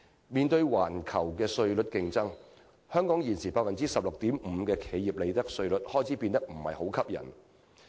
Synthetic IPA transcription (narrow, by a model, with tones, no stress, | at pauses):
miː˨nt̪ɵ˧ɥwaː˨˩nkʰɐ˨˩wkɛː˧sɵ˧ɥlɵ˨˥t̚kɪ˧ŋt͡sɐ˥ŋ | hœː˥ŋkɔː˨˥ŋjiː˨˩nsiː˨˩paː˧t̚fɐ˨nt͡siː˥sɐ˨p̚lʊ˨k̚t̪iː˨˥mm̩ː˨˧kɛː˧kʰe˨˥jiː˨p̚le˨˧jt̪ɐ˥k̚sɵ˧ɥlɵ˨˥t̚hɔː˥jt͡sʰiː˨˥piː˧nt̪ɐ˥k̚m̩˨˩hɐ̰˨jho˨˥wkʰɐ˥p̚jɐ̰˨˩n